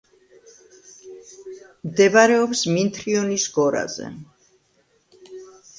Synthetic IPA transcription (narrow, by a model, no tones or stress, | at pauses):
md̪ɛbaɾɛɔpsmint̪ʰɾiɔnisɡɔɾa̰zɛ̰